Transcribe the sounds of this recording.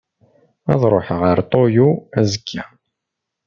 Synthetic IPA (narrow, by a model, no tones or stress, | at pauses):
æ̰ðˤɾˤoħʁəɾt̪ˤojuæzəkʰːæ